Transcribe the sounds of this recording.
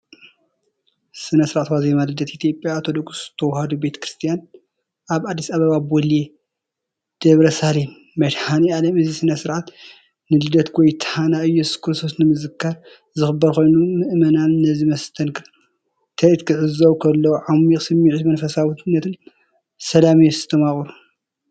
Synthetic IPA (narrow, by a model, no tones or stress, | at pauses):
sɨnɐsɨɾʕat̪wazemalɨd̪ɐt̪it̪ʰjo̞pʼːjaːt̪ʰod̪okst̪ʰɐwhad̪ube̞t̪ʰɐ̥kɾɨst̪ʰijan | ʔaβad̪ːisaβɐβabwɔle | d̪̥ɐβɾɐsalemːɐʃħanialɐmɨzisɨnɐsɨɾʕat̪ | nɨlɨd̪ɐt̪kɔjt̪ʰhanaɨjːɛsu̥skʰɨɾɨst̪ʰosnɨmɨzɨkʰːaɾ | zɨxɨbːɐɾko̞jnumɨʔmɐnanːɐzimɐst̪ʰɐnkʰɨɾ | t̪ʰɐit̪kʰɨʕɨzɐwkʰɐlːɐwʕamiksɨmːiʕt̪mɐnfɐsawnːɐt̪ʰɨn | sɐlamijɛsɨ̥t̪ʰɐmaχʼɾu